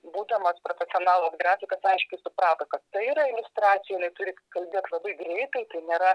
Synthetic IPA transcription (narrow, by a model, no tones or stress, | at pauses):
buːd̪ʲɛmɐspɾoːfʲɛsʲɪɔnɑːlˠosɡɾɑːfʲɪkɐsɐɪʃʲkʲʊɪsʊpɾɑːt̪ɐkɐt̪t̪ɐɪiɾɐɪlʲʊst̪ɾɑːt̪sʲɪjɛjɪnɐɪt̪ʊɾʲɪkɐlʲbʲeɛt̪lˠɐbɐɪɡɾʲɛɪt̪ɐɪt̪ɐɪnʲeːɾɐ